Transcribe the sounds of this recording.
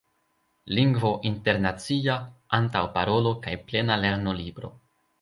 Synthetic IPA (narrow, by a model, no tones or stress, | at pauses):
liŋɡvo̞ʔinte̞ɾnat͡siaantawpaɾo̞lo̞kajple̞nale̞ɾno̞libɾo̞̰